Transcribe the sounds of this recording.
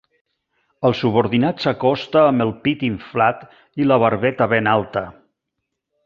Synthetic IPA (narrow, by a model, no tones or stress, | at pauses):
əlˠsuβoɾðinatsəkɔst̪aːmbəlˠpit̪iɱflat̪ | iləβəɾβɛt̪əβenalˠt̪ə